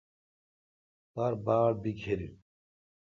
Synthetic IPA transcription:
pɐɾbaːɽbikʰeɾi

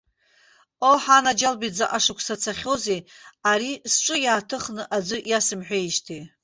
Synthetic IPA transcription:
oħanad͡ʒalbid͡zaʔaʂɨkʷʰsat͡sʰaχʲo̞zeaɾisʈ͡ʂʷʼɨjaːtʰɨχnɨʔad͡zʷɨʔjasɨmħʷᶣejʃtʰi

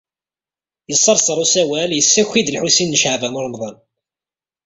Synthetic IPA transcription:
jəsˤːɑɾˤsɾˤusæwæljəsːæçid̪lħusinːʃəʕvæmʊɾˤmðˤɑn

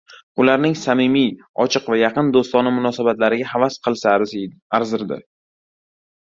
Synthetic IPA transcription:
ʊlaɾnɪŋsamɪmij | ɒt͡ʃʰɨqvajɑqɨnd̪ost̪ɒnɪmʊnɒsabat̪laɾɪɡʲahavasqʰɨlˠsaaɾzɪɾd̪ɪ̰

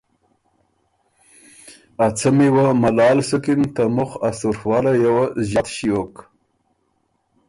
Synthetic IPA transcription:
at͡samiwamalɑːlsʊkint̪amʊxasuɾxwɑːlajawazjat̪ʃijok

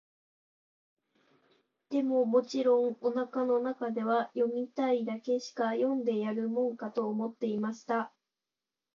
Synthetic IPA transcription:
d̪̥e̞mo̞mo̞t͡ɕiɾõ̞ŋo̞nakano̞nakad̪e̞βajo̞mʲit̪aid̪ake̞ɕi̥kajõ̞nd̪e̞jaɾɯ̟mõ̞ŋkat̪o̞ːmo̞t̪ːe̞imaɕi̥t̪a

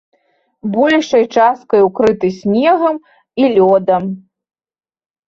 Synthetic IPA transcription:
bɔlʲiʂɐjt͡ʂast̪̚kɐjukɾɨt̪ɨsʲnʲɛɣɐm | ilʲɔd̪ɐm

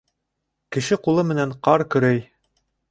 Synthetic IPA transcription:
kɘ̆ʃɘqulˠɤmɘ̆næɴqɑɾkɵ̆ɾɘj

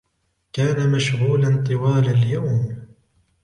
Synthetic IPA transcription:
kaːnamaʃɣuːlant̪ˤɨwaːlaljaʔuːm

